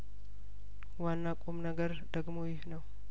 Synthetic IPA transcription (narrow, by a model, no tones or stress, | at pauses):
wanːakʼomnəɡəɾ | d̪̥əɡmojɪhnəw